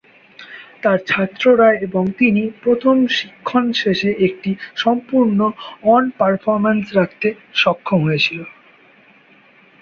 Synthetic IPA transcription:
t̪aɾt͡ɕʰat̪ːɾoɾaeeboŋt̪inipɾot̪ʰomʃi̥kʰːonʃeʃeʔek̚ʈiʃɔmpuɾnoɔnpaɾfʰoɾmensɾak̚ʰt̪e | ʃɔkʰːomɦoet͡ɕʰilo

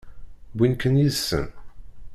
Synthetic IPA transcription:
binkənjizsːə̰n

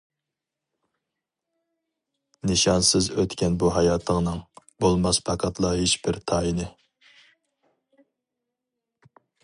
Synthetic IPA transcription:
nɪʃɑnsɪzøt̪kʲɛnbuɦɑjɑːt̪ʰəŋnɨŋ | bolˠmɑspʰɑqʰɑt̪ʰlˠɑɦet͡ʃbɪɾt̪ʰɑːinɪ

